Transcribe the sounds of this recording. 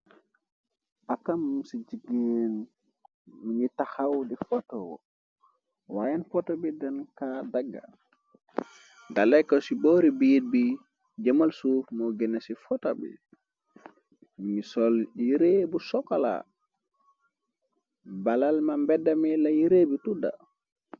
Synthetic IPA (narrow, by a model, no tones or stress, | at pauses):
ʔakamsid͡ʒiɡen | miɲitahawdifɔtɔwɔ̰ | wajɛnfɔtɔbidɛnkadaɡːa̰ | dalɛkɔsibɔɾibijid̚bi | d͡ʒamalsufmɔɡɛnasifɔtabḭ | miɲisɔliɾebusɔkala̰ | balalmambɛdamɛlajiɾebituda̰